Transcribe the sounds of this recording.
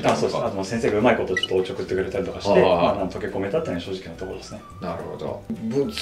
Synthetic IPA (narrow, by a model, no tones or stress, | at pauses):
aso̞ːd̪snat̪omasẽs̬eːɡaɯ̟maiko̞t̪oːt͡ɕot̪ːoot͡ɕiokɯ̟t̪ːe̞kɯɾe̞t̪aɾit̪o̞kai̥emanãnt̪o̞kʲeko̞me̞t̪at̪ːeːnaɕoːʑi̥kʲinot̪o̞kod̪esɨne | naɾɯhod̪o̰b